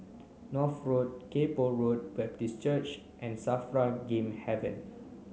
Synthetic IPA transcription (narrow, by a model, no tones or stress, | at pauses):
nɔθɹot̚kepoɹot̚bɛp̚tist͡ʃət͡ʃ | ʔɛ̃nsafɹaɡẽmhɛvə̰̃n